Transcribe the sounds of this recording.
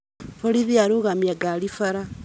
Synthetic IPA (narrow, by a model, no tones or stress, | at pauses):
foliðiaɾuɣamjaɡalifaɾa